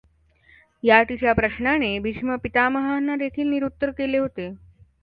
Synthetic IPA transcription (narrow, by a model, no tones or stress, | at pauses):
jat̪it͡ɕjapɾəɕɳañebiɕməpit̪aməɦanːad̪ekʰiːlniɾut̪ːəɾkeleɦot̪e